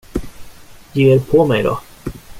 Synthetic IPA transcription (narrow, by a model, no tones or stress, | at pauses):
jeːɾpʰɔmɛjd̪ɔ̰